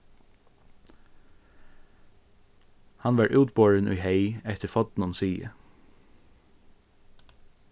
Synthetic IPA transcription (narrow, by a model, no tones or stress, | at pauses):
hanʋɑɹʔuːt̪boːɹənʔʊ̰jheɪɛht̪əɾfɔt̪nʊnsiːə̰